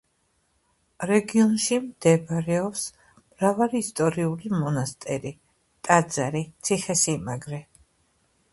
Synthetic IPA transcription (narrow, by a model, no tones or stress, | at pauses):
ɾɛɡiɔnʃimd̪̥ɛbɾɛɔps | mɾavaliːst̪ʼɔɾiulimɔnast̪ʼɛɾi | t̪ʼad̪zaɾit̪sʰiχɛsimaɡɾɛ